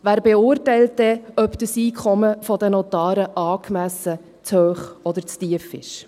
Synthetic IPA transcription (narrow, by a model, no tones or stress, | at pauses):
væːɾbɛʊɾtɛɪlt̚dɛœpd̥əsiːkʰχɔməfɔd̪ɛnɔt̪ɑːɾəʔɑːkmæsə | t͡shøːχɔd̪əɾt͡stiəfɪ̰ʃ